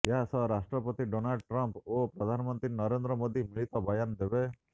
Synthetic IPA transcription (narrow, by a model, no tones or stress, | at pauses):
jeɦasɔɦɾasʈɾɔpɔt̪iɖonalɖʈɾɔmpopɾɔd̪ʱanɔmɔnt̪ɾinɔɾend̪ɾɔmoːd̪imiɭit̪ɔbʱɐjɔnd̪ebe